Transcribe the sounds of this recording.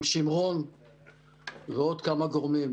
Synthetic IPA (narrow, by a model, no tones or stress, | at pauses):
ʃimʁon | veo̞d̪kamaɡoʁmim